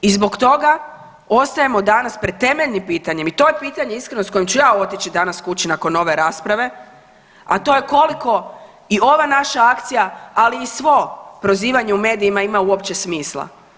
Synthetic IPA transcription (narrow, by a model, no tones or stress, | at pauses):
izbo̞kt̪o̞ɡa | o̞st̪aje̞mo̞d̪anaspɾed̪̚t̪e̞me̞ʎnimpiːt̪aɲe̞mit̪o̞jepiːt̪aɲe̞iskɾeno̞sko̞jmt͡ɕujaːo̞t̪it͡ɕid̪anaskut͡ɕinako̞no̞ʋe̞ɾaːspɾaʋe̞ | a̰t̪o̞je̞ko̞liko̞ | io̞ʋanaʃaakt̪sijaaliːsʋo̞pɾo̞ziːʋaɲeume̞ːd̪iimaimauopt͡ɕe̞smiːslˠa̰